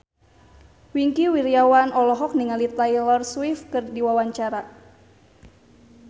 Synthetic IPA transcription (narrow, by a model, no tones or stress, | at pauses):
wiŋkiwiɾijawanɔlɔɦɔk̚niŋalit̪ajlɔrswifkɨrdiwawaɲt͡ʃaɾa